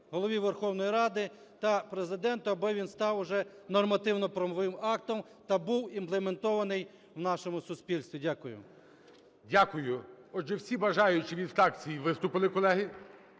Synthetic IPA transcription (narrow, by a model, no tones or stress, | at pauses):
ɦɔlˠɔʋʲiʋerxɔwnɔjiɾɑd̪ɪ | t̪ɐpɾezɪd̪ɛnt̪ʊɐbɔʋʲinst̪ɑwʊʒɛnɔrmɐt̪ɪwnɔpɾɐmɔʋɪmɑk̚t̪ɔm | t̪ɐbuwimplˠement̪ɔʋɐnɪj | wnɑʃɔmʊsʊspʲilʲst̪ʋʲidʲakʊjʊ̰ | dʲakʊjʊɔd͡ʒʒɛwsʲibɐʒɑjʊt͡ʃɪʋʲid̪ft̪ɑkt͡sʲijiʋɪst̪ʊpɪlˠɪkɔlˠɛɦɪ